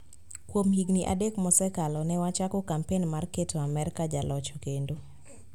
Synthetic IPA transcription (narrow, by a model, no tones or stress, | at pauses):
kwomjiɡniʔa̰dekmɔsɛkalɔnɛwat͡ʃakɔkampenmarketʰoamɛɾkad͡ʒalɔt͡ʃɔ̥kendo